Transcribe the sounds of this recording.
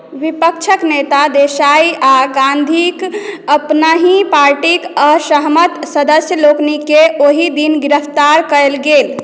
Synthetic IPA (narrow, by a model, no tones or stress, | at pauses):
ʋipək̚t͡ʃʰəknet̪ad̪esaiaɡãnd̪ʱikəpnaɦipaɾʈikəsəɦmət̪səd̪əsjəloknikeʔoɦid̪inɡɾəpʰt̪aɾkəelɡel